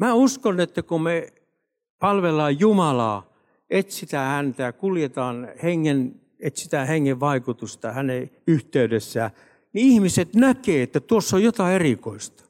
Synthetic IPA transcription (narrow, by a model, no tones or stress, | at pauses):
mæːuskonet̪ːækume | pɑlʋelːˑɑːjjumɑlɑː | ʔet̪sit̪æhænt̪æjɑkuljet̪ɑːnheŋːen | et̪sit̪æheŋːeʋʋɑikut̪ust̪ɑhæneyht̪eydesːæː | niihmiset̪nækeːet̪ːæt̪uosːojjot̪ɑerikoist̪ɑ̥